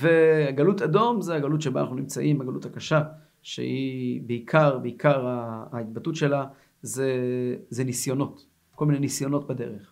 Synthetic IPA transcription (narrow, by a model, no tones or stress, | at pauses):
veaɡalutado̞mzeaɡalutʃeba̰naχnunimt͡saʔimaɡaluthakaʃa | ʃḛibeikʰaʁbeikaʁaːit̪̚batutʃe̞la | zezenisjo̞no̞t | ko̞lminenisjo̞no̞t̚bade̞̰ʁeχ